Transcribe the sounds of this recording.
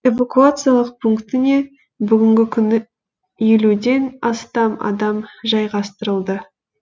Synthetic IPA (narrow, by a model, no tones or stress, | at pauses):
e̞vakuat̪sɨjalˠəq̚pʰuŋkt̪ɪne̞ | bʏɡʲɪŋɡʲɪkʲʰʏnɪ | je̞lud̪e̞nɑst̪ɑmɑ̰d̪ɑmʒɑjʁɑst̪əɾəlˠd̪ə